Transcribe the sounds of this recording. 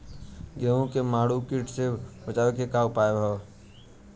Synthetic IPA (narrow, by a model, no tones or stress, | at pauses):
ɡɛːõkemaːɽukiʈsebət͡ʃaːʋekekaːwpaːebʱa